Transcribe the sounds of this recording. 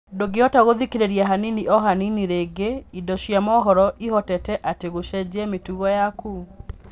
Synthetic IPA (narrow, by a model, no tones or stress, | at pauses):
doɡeɔtaɣoðikeɾeɾiaɦaniniʔɔɦaniniɾeːɡeidɔʃjamɔɦɔɾɔʔihɔtɛtɛʔateɣoʃɛd͡ʑɛmetuɣɔjaku